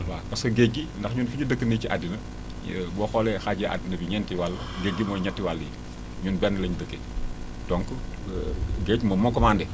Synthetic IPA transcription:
wakɐsoɡeɡindɐxɲuːnfiɲidəkːəniciʔadinɐ | bɔxɔlɛxaɟeʔa̰dinɐbiɲɛntiwalːɐɡeɡːimɔːjɲɛntːiwalːjḭ | ɲunbɛnːəlɐɲdəkːe | d̥ɔŋk | ɡeɟmɐmɔkɔmaːndɛ

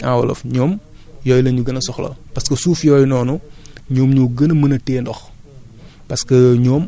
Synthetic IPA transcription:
ãwɐ̰lɐ̰fɲɔːm | jɔːjlɐɲuɡɐnɐsɔxlɐ̰pɐskɐsuːfjɔjnɔːnuɲɔːmɲuɡɐnmənɐtɛːndɔx | pɐskəɲɔːm

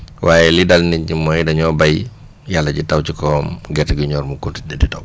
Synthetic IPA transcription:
wʔaːjɛlidalniɲɟimɔjdɐɲɔbaj | jalːɐɟitawt͡ʃikɔːmɡɛtɡiɲɔːɾmukuntidɛditaw

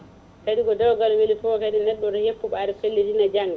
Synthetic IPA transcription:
kaɗiɡɔdawɡalwelipɔkaɗinɛɗːɔdɔhepːuɓaɾɛfelːidinad͡ʒaŋɡa

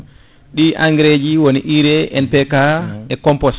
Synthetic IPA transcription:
ɗiʔaŋɡɾed͡ʒiwoniʔiɾɛɛnpɛkaɛkɔmpɔs

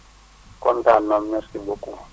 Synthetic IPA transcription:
kʼɔntanamɲasibokʼu

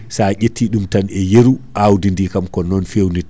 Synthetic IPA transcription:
saɟetʰːiɗumtanɛjeɾuʔawdindikamkɔnɔnfewni

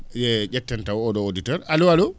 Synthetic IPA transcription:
jɛd͡ʒɛtːɛntawɔɗɔoditɔɾaluwalu

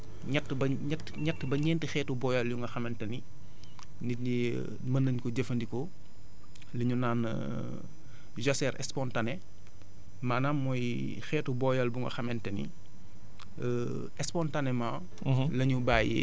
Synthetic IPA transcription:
ɲɛtːbɐ | ɲɛt | ɲɛtːbɐɲɛːntixɛːtubɔːjɐljuŋɡɐxɐmɛntɐni | ndiɲi | mɐndɐɲkɔɟɐfɐndikɔ | lɐɲunaːn | ʒɔsɛɾʔɛ̰spɔntanɛ | maːnaːmːɔj | xɛːtubɔjɐlbuŋɡɐ̰xɐmɛntɐnḭ | ɛspɔntanɛma | lɐɲubaːjḛ

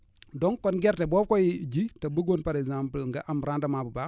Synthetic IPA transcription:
dɔŋkɔnɡɛɾtebɔːfkojid͡ʒitabuɡonpaɾɛɡzampəlŋɡaʔamɾandamabuba

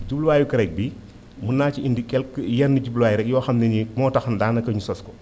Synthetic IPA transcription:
ɟubluwaːjukɐɾɛk̚bi | munːaːciindikɛlkjɛnːiɟubluwaːjuɾɛk̚jɔːxɐmnɛnimɔːtɐxɐndaːnɐkɐɲusɔskɔ

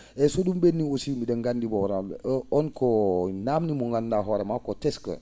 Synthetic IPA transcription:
ɛsoɗumbenːiosimidɛŋɡandibɔɾaɔnkɔnamnimuŋɡandaɦɔɾemakɔtɛskə̰

